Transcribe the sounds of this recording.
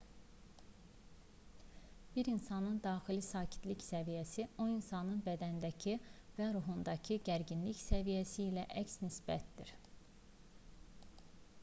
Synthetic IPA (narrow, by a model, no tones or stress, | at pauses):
b̥iɾinsɑnɯnd̪ɑːxilisɑːcʰi̥t̪liçsævijæsio̞insɑnɯnbæd̪ænd̪æcʰivæɾuɦund̪ɑcʰiɟæɾɟinliçsævijæsiːlæʔæcsnisbæ̰t̪d̪iɾ